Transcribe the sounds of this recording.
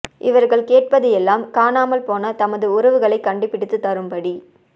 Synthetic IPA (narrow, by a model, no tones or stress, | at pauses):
ʔɪʋɐɾɣɐɭkeːʈ̚pɐðɪjɛlːaːmkaːnaːmɐlpoːnɐt̪ɐmɐðɯʊɾɐʋɯɣɐɭɐɪkːɐɳɖɯpːɪɽɯt̪ːɯt̪ːɐɾɯmpɐɽi